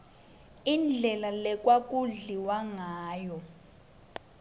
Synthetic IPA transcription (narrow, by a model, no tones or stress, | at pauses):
ind͡ɮʱɛlalɛk̬ʼwak̬uɮiwaŋaːjɔ